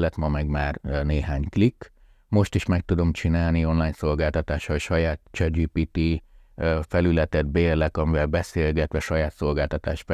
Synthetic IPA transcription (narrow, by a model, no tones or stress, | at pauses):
lːɛt̪mɒmɛɡmaːrneːɦaːɲklikː | mo̞ʃt̪iʃmɛk̚t̪ud̪o̞mt͡ʃinaːlnio̞nlaːɲso̞lɡaːlt̪ɒt̪aːʃɒlʃɒjaːt̪t͡ʃɛd͡ʒiːpiːt̪i | fɛlylɛt̪ɛd̪̚beːrlɛkɒmivɛlbɛseːlɡɛt̪ʋɛʃɒjaːt̪so̞lɡaːlt̪ɒt̪a̰ːʃf